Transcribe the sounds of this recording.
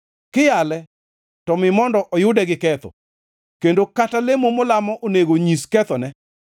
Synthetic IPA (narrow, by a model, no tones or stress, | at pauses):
kɪjalɛ | tɔmɪmɔndɔʔɔjʊdɛɡɪkɛt̪ɔ̰ | kendokatalemomʊlamɔʔoneɡoɲiskɛt̪ɔnɛ